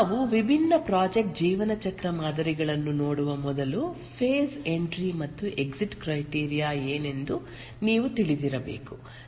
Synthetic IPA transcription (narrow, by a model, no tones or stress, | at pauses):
ʋuʋibʱinːɐpɾaːd͡ʒek̚ʈ̚d͡ʒiːʋɐnɐt͡ʃɐkɾɐmaːd̪ɐɾiɡɐɭɐnːuno̞ːɽuʋɐmɔd̪ɐlu | pʰeːse̞ɳʈɾimɐt̪ːuʔe̞ksiʈkɾɐjʈiːɾijaːeːne̞nd̪u | niːʋut̪iɭid̪iɾɐbḛːku